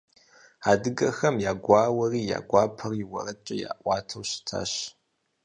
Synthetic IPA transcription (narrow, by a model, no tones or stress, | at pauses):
aːdɨɡɐxɐmjaːɡʷɑːwɐriːja̰ːɡʷɑːpʰɐrjɪwɐ̰rɐt͡ʃʼɐja̰ːʔʷɑːtʰɐwɕɪ̥tʰa̰ːɕ